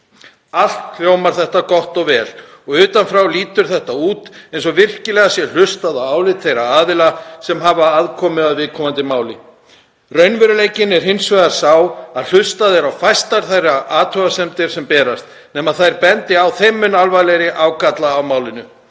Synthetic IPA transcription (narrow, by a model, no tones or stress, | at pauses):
al̥t̪fl̥joːwmaɾ̥θɛht̪akɔht̪ɔɣvɛːl | ɔɣʏːt̪anfɾawliːt̪ʏɾ̥θɛht̪auːt̪ejns̬ɔvɪr̥cɪlɛːɣasjɛl̥ʏst̪aðawaːwlɪt̪θejɾaaːðɪlasɛmɦavaaðkʰɔmɪðaðvɪðkʰɔmant̪ɪmaːwlɪ̰ | rœɥnvɛɾʏlejcɪnɛɾ̥ɦɪnsvajðḁsaːwaðl̥ʏst̪aðɛɾawfajst̪aɾθajraʔaːt̪ʰœasɛmt̪ɪɾ̥sɛmpɛːɾast̪ | nɛːmaðθajɾpɛnt̪ɪawθejmːʏnalvajlejɾɪʔawkat̪laːwmaːwlɪnʏ